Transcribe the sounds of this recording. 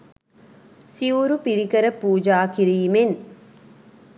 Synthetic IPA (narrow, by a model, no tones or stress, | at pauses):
siuɾupiɾikəɾəpuːd͡ʒaːkiɾiːmen